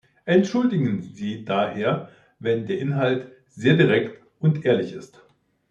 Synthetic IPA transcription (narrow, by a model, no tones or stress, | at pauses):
ʔɛntʃʊldɪɡn̩ziːdaheːɐ | vɛndeːɐʔɪnɦalt | z̥eːɐdiʁɛkt | ʊntʔeːɐlɪçɪst